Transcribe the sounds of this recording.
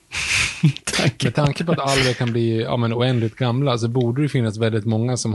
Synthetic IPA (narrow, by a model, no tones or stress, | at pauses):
t̪ʰamɛd̪̚t̪ʰaŋkəpɔat̪alɾɛkʰanbliːɑ̰ːmɛnʊɛnd̪lɪt̪̚ɡamːlas̬ɔbuːɖəɾɛjɵfɪnːasvɛld̪ɪt̪mɔŋːasɔm